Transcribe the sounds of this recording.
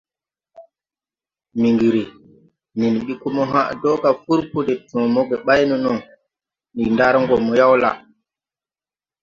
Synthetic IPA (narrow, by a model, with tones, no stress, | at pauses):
mi˨ŋɡi˨ɾi˨ | ni˨nɓi˦ku˦mɔ˦ɦa̰˦dɔ˦ka˨fu˦ɾpu˦dɛ˨tɔ̃˨mɔ˦ɡɛɓa˦jnɔ˨nɔ˨n | ni˨nda˦ɾŋɡɔmːɔja˦wla̰˨